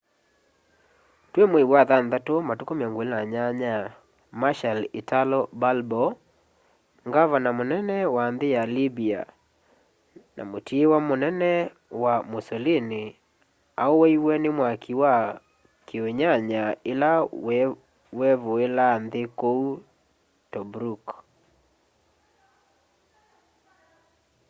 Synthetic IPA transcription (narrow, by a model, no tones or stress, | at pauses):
twemweiwaðanðatomatokomeaŋɡolnaɲaɲa | maʃalitalɔbalbɔ | ŋɡavanamonɛnɛwanðejalibia̰ | na̰motʰiewamonɛnɛ | wamosɔlini | aowɛiwɛnɪmwakʰiwa | kioɲaɲaela | wɛvoelanðekou | tɔbɾuk